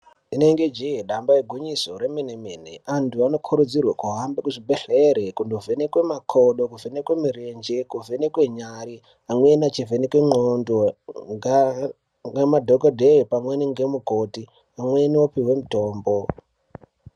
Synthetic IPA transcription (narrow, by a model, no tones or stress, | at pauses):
ine̞ŋɡe̞d͡ʒiɦeɗambajeɡʱuɲisoɾemenemeːnḛantʰuano̞kʰuɾud͡zirwakuɦambekuʐibʱeɬeɾekundovenekwe̞makʰoɗokuvenekwemiɾend͡ʒekuvʱenekweɲaɾi | amwenat͡ʃivenekweŋ͡ǃondoŋ | ŋɡemadʱokodʱepamweniŋɡemukoti | amwe̞niwopiwe̞mutoːmbo